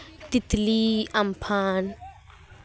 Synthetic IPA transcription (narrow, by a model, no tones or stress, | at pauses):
t̪it̪liampʰan